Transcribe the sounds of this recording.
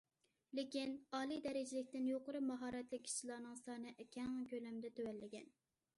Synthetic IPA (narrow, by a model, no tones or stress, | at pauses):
lɪkʲinɑːlˠid̪ɛɾɪd͡ʒɪlɪkʲt̪ɪnjoqʊɾɨmɑɦɑːɾɛt̪lɪkʲʰːi̥ʃilˠɑːnɨŋsɑːnɨʔækʲɛŋkʲølɛmd̪ɛt̪ʰøwɛlːɪɡʲɛn